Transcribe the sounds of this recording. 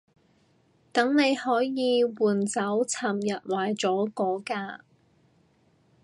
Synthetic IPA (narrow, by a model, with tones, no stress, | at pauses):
t̪ɐ˨˥ŋne˨˧jhɔː˨˥jjiː˨˧wuː˨˩nt͡sɐ˨˥wt͡sʰaː˨˩mjɐ˨t̚waː˨˩jt͡sɔː˨˥kɔː˨˥kaː˧